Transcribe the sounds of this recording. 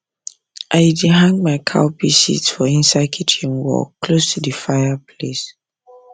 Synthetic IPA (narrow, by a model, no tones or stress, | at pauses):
ʔaɪdiɦãŋɡmaɪkʰa̰ʊpʰisḭtsfɔĩnsakʰitʰĩŋwɔ̰kʰːlostʰudəfaɪjapʰles